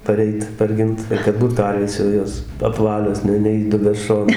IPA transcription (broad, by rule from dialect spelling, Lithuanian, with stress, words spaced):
pɐˈrʲɛɪt pɐrʲˈɡʲɪnt ɪr kɐt ˈbuːt ˈkɐrʲʋʲeːs jɛʊ ˈjoːs ɐpˈʋɑːlʲoːs ˈnʲɛ nʲɛiːˈdʊbʲæː ˈʃoːnɐɪ